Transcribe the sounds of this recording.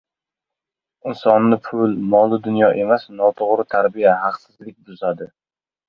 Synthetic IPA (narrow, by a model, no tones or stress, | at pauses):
ɪnsɒnːɪpʰʊlmɒlˠɪd̪ʊnjɒʔe̞masnɒt̪ʰoʁɾɪt̪ʰaɾbijaɦɑqsɪzlɪk̚ʲbʊzad̪ɪ